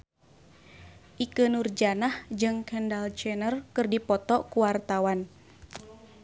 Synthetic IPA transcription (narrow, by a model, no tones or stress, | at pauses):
ʔikənurd͡ʒanahd͡ʒɨŋkɛndalt͡ʃɛnərkɨrdipɔt̪ɔkuwart̪awan